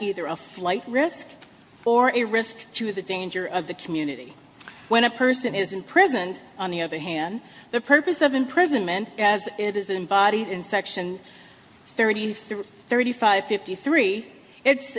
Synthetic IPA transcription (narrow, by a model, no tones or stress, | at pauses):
iðə˞əflaɪt̚ɹɪsk | ə˞ʔɨɹɪsktʰɨðɨdẽɪ̃nd͡ʒə˞ʔʌvðɨkʰmjʉnɨɾḭ | wə̃ɾ̃ɨpʰɜ˞sɨ̃nɪzɨ̃mpʰɹ̥ɪzɨ̃ndn̩ðiʌðə˞ɦæ̃nðɨpʰɜ˞pɨsʌvɨ̃mpʰɹ̥ɪzɨ̃nmɨ̃ntɨzɪɾɨzɨ̃mbɑɾiɾɨ̃nsɛkʃɨ̃n | θə˞ɾi | θɜ˞ɾifaɪv̥fɪftiθɹi | ɪts